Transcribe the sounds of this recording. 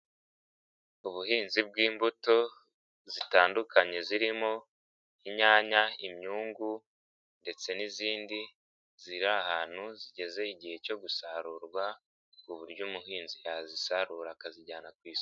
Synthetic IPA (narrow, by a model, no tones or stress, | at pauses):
uβuhiːnzib̚ɡiːmbuto̞ | zitaːndukʰaɲe̞ziɾimo̞ | iɲaːɲaimɲuːŋɡu | nde̞t͡se̞niziːndi | ziɾahaːn̥huziɟe̞ze̞iɟihe̞co̞ɡusaɾuːɾɡwa | uβuɾɟuːmuɦiːnzijazisaɾuːɾakaziɟaːnakwiːsi̥